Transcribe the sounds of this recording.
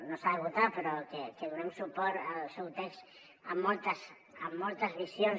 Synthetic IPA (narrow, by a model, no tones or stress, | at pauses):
nosaðeβut̪apeɾɔkekeðunɛmsupɔɾalsɛwt̪ɛks | amːolˠt̪əs | amːolˠt̪əzβisjon